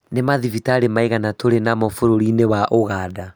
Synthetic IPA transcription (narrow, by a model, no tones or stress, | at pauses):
nemaðivitaɾemaeɣanatʰoɾenamɔfoɾoɾinewaʔoɣaːda